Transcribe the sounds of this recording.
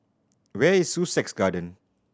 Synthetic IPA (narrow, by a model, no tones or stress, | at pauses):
wɛisːusɛksɡadə̃n